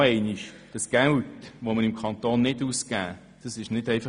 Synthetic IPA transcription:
ɛɪniʃ | d̥ɑsɡ̥æwtʋoməɾɪmkʰɑnt̪oːnːɪduːskæː | d̥ɑsɪʃnɪdɛɪfɑ

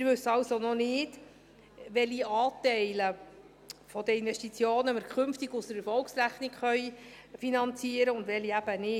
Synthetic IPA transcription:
ɪɾʋɵsɑwsonɔnɪːd | ʋɛliɑːtɛɪlə | fɔd̥̪əɪnʋɛstit͡sjoːnəməɾkʰχʏmftɪɡʊsdəɾɛɾfɔlksɾæχnɪkχœj | finɑnt͡siəɾəʊndʋɛliæb̥ənɪ

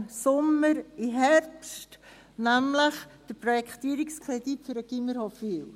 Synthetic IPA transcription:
sɔməɾiɦɛɾpst | næmləχd̥əprojɛktiəɾikskʰʁeditfʏɾəɡ̥iməɾhofiw

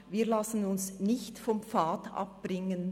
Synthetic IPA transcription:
viːʁlasən̩ʊnsnɪçtfɔmfaːtʔɑ̰p̚b̥ɾɪŋən

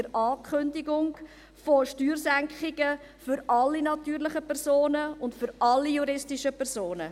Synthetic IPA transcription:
əɾʔɑːkʰʏndɪɡʊŋ | foʃtyːɾsæŋkχɪɡ̥ə | fʏɾɑlːinɑtyːɾlɪχəpɛɾzoːnəʊntfʏɾɑlːijuɾɪstiʃəpʰɛɾsoːnə

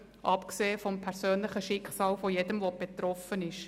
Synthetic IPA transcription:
ʔɑpkseːfɔmpʰɛɾsøːnlɪχəʃɪkχsɑːlfojedəmʋob̥et̪ɾɔfənɪʃ

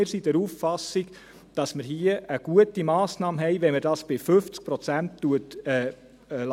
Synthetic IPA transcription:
ɪɾsidɛɾufːɑsːiɡ | d̥ɑsməɾɦiəʔəɡ̥uətimɑːsnɑːmɦɛjʋɛməɾd̥ɑsb̥ɪfʏft͡sk̚pɾɔt͡sæntːuətɛ | l

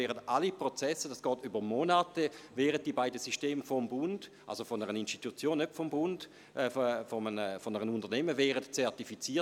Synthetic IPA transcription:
ɛːʁətʔalipʁot͡sɛsəd̥asɡ̥ɔːtybəʁmonatəvɛːʁət̚d̥ibaɪdəsyʃteːmfɔmbʊnd̥ʔa̰lsofɔnəʁəninstitut͡sjoːnːøpfɔmbʊnd̥ | fɔmənəfɔnəʁənundəʁnɛməvɛːʁətt͡sɛʁtifit͡siːɐ

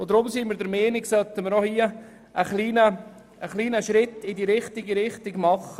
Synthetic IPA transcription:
od̪ɾʊmsiməɾdəɾmeːnɪksœt̪ːəməɾnɔhiə | ʔəχliːnəː | χliːnəʃɾɪt̪ːɪdiɾɪχt̪ɪɡiɾɪχtɪɡmɑχə

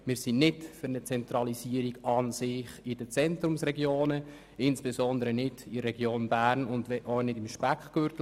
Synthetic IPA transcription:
mɪːɾsinɪtfʏɾnət͡sɛnt̪ɾɑlisiːəɾiɡɑnsɪχid̥ət͡sɛntɾʊmsrɛɡjoːnə | ɪnsb̥esɔnd̪əɾənɪdidərːɛɡjoːnbæːrnʊndɛʔɔwnɪdɪmʃpækχɡ̥øɾtl

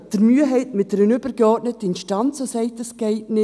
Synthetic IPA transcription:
d̥əɾmyəɦɛɪtmɪtd̥ɛɾənʏbəɾɡeɔɾtnətəɪnʃtɑnt͡sosɛɪtəskɛɪtnɪ

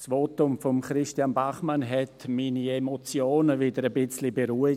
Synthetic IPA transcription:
sʋoːtʊmfɔmχɾɪʃtjanbaχmanɦɛtmiːniemot͡sjoːnəvɪdəɾəbɪt͡slibeɾuːi

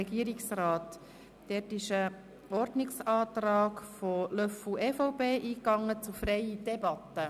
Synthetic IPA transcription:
ɛɡiəɾɪksraːt | d̥ɛːtɪʃə | ɔɾdnɪksɑːtɾɑːkfolœfl̩ɛːfoʊpeːʔiːkːɑŋːət͡sufɾɛɪid̥ɛbɑt̪ːə

